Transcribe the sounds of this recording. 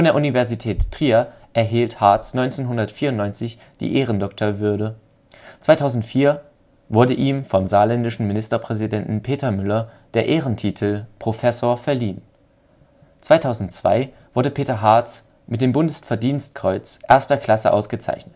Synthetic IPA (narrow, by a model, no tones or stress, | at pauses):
fɔndeːɐʔunivɛɐzitʰɛːtːʁ̥iːɐ | ʔɛɐɦiːlthaɐt͡snɔʏnt͡seːnɦʊndɐtfiːɐʊntnɔʏnt͡sɪç | d̥ḭːʔeːʁəndɔktʰoɐvʏɐdə | t͡sv̥aɪtʰaʊzn̩tfiːɐ | vʊɐdəʔiːmfɔmzaːlɛndɪʃn̩mɪnɪstɐpʁ̥ɛzidɛntn̩pʰeːtɐmʏlɐd̥eːɐʔeːʁəntʰiːtʰl̩pʁ̥ofɛsoːɐfɛɐliːn | t͡sv̥aɪtʰaʊzn̩tt͡sv̥a̰ɪ | v̥ʊɐɾəpʰeːtɐɦaɐt͡s | mɪtd̥eːmbʊndəsfɛɐdiːnst̚kʁ̥ɔʏt͡sʔeːɐstɐkʰl̥asə̰ʔa̰ʊsɡ̥ət͡sa̰ɪçnət